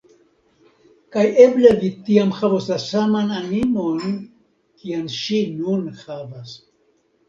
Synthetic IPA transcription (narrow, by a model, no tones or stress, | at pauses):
kaje̞blevitiamhavoslasamananimo̞n | kianʃinunhavas